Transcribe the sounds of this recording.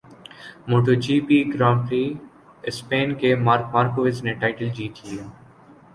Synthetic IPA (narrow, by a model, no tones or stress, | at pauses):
moːʈod͡ʒiːpiɡɾãːmʈɾi | ɪspeːnkemaːɾkmaːɾkoʋɪzneʈaːɪʈəld͡ʒiːt̪ʰieː